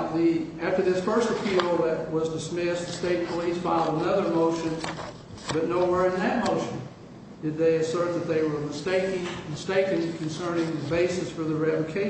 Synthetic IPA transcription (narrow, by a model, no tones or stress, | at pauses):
ðiæftə˞ðɪsfɜ˞stɨpʰilˠðɨt̚wʌzdɨsmɪsðɨsteɪt̚pʰəlisfaɪlˠoʊənʌðə˞moʊʃɨ̃n | bʌtⁿnoʊwɛɹɨ̃nðɨt̚moʊʃɨ̃n | d̥ɨd̪̚ðeɪɨsɜ˞t̪̚ðɨt̪̚ðeɪwə˞mɨsteɪkɪ̃ŋmɨsteɪkɨ̃nkʰn̩sɜ̃˞nɪ̃ŋðɨbeɪsɨsfə˞ðɨɹɛvɨkʰeɪ